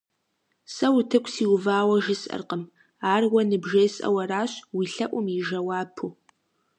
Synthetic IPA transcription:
sɐwtʰɨkʷʰʼsiːwvaːwɐʒɪsʼɐ̰rqəm | aːrwɐnɨbʒeːsʼɐ̰wɐɾaːɕwiːɬɐʔʷʼʊmɪʒɐwaːpʰuː

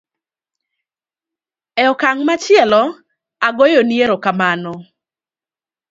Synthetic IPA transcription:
ɛɔkaŋmat͡ʃɪɛlɔ | aɡojonieɾokamanɔ

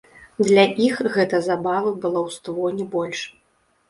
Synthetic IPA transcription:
d̪lʲɐʔixɣɛt̪ɐzabavɐbɨlˠɔwst̪vɔnʲibɔlʲʂ

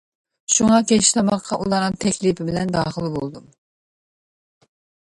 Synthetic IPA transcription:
ʃuŋɑkʲɛt͡ʃʰi̥ʃt̪ʰɑmɑqʰːɑʔulˠɑɾnɨŋt̪ʰɛkʲlipɪbɪlɛnd̪ɑːχəlˠɨbo̰lˠd̪um

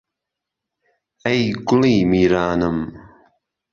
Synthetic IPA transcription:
ejɡʷʊliːmiːɾaːnɨm

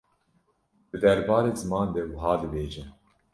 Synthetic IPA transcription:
bɨd̪ɛɾbɑːɾeːzɨmɑːnd̪ɛwɨɦɑːd̪ɨveːʒɛ

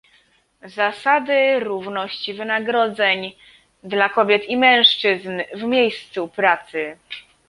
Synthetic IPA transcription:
zasad̪ɘɾuvnɔɕt͡ɕivɘnaɡɾɔd̪zɛɲ | d̪lakɔbʲjɛt̪imɛ̃w̃ʂt͡ʂɘznvmʲjejst̪supɾat̪sɘ

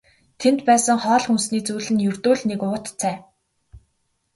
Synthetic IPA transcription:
t̪ʰent̪pæːsə̆ŋχɔːɮχɵnsniːt͡sujɮɘ̆njɵrt̪uːɮnekʊːt̪t͡sʰæː

